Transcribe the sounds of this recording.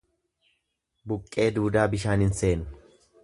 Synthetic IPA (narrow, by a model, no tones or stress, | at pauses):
bʊkʼːe̞ːd̪uːd̪aːbɪʃaːnɪnse̞ːnʊ